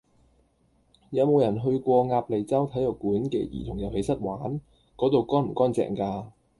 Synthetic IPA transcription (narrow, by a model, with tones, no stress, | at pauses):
jɐ˨˧wmo˨˧wjɐ˨˩nɦɵ˧ɥkʷɔː˧ŋaː˧p̚le˨˧jt͡sɐ˥wt̪ʰɐ˨˥jɐ˨˩wkuː˨˥nkɛ̰ː˧jḭ˨˩t̪ʰʊ˨˩ŋjɐ˨˩whe˨˧jsɐ˥t̚waː˨˥n | kɔː˨˥t̪o˨wkɔː˥nm̩˨˩kɔː˥nt͡sɛ̰ː˨˩ŋkaː˧